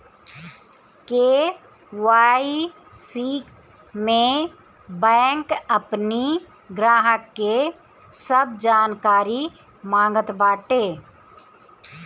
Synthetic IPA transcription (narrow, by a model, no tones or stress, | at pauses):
keː | waːi | siːk | mẽ | bɛ̃ːŋkəpni | ɡɾaːɦəkːe | səb̚d͡ʒaːnkaːɾi | mãːŋɡət̪baːʈeː